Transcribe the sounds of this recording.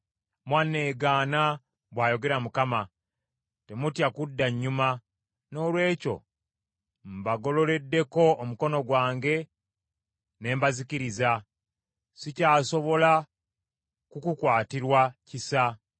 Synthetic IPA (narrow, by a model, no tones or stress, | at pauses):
mwanːeːɡaːna | βwaːjo̞ɡe̞ɾamukama | te̞mutjakudːaɲːuma | no̞ːlwe̞ːco̞̰ | m̩baɡo̞lo̞le̞dːe̞ko̞ːmuko̞no̞ɡwaːŋɡe̞ | ne̞ːmbaziciɾiza | sicaːso̞βo̞la | kukukwaːtiɾwacisa